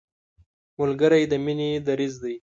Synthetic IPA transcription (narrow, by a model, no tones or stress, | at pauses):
mʊlɡəɾajd̪əmined̪aɾizd̪aj